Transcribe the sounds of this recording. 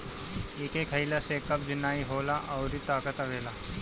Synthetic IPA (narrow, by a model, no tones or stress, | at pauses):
ɪkeːkɦɐɪlasekɐb̚d͡ʒʊnaːiɦoːlaʔɔːɾit̪aːkət̪ɐʋeːlaː